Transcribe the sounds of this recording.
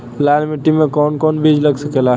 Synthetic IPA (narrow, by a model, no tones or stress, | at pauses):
laːlmɪʈːimẽkɔːnkɔːnbid͡ʒlɐɡsəkelaː